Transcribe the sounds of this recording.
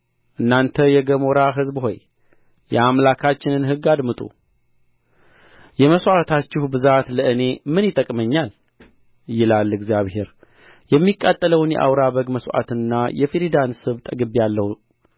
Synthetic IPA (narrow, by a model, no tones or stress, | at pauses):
ʔɨnːant̪ʰəjɛɡəmoɾaɦɨzbho̞̰j | jɛamlakʰat͡ʃːɪnɨnhɨɡːad̪mɨt̪ʼṵ | jɛməswʔat̪ʰat͡ʃːɪhbɨzat̪ləɨne̞mɨnjɪt̪ʼəkʼməɲːal | jɪlalːɨɡzijaβhe̞ɾ | jɛmːikʼːat̪ʼːələwnjɛ̰ʔa̰wɾaβəɡməsʔa̰t̪ɨnːajɛfiɾid̪ansɨβt̪ʼəɡɨβjalːəh